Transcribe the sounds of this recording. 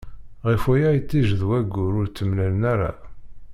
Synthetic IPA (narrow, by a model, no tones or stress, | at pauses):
ʁifujæjt̪ːiʒðwæɡːʊɾʊɾt͡sːəmlælənæɾa̰